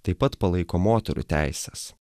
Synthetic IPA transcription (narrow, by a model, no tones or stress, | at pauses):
t̪ɐɪpːɐt̪pɐlˠɐɪkoːmoːt̪ʲɛɾʊ̰t̪ʲæ̰ɪsʲɛs